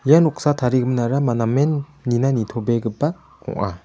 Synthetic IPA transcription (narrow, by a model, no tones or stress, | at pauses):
janɔk̚satʰaɾiɡɯmnaɾamanamenːinanitʰobeɡɯpːa | kɔ̰ŋa̰